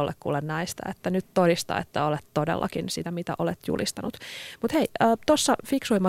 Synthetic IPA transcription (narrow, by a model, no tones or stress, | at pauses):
olːekkṵːlenːɑist̪æ̰et̪ːænyt̪todist̪ɑ̰ḛt̪ːæolet̪todḛlːʔɑ̰kinsit̪æmit̪æ̰ʔolet̪jṵlʔist̪ɑnut̪mut̪heiəːt̪osːɑfiksuimːɑ